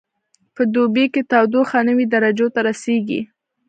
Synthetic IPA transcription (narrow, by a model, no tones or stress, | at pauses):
pəd̪obeket̪ɑwd̪oxɑnəwid̪aɾad͡ʒot̪aɾaseɡḭ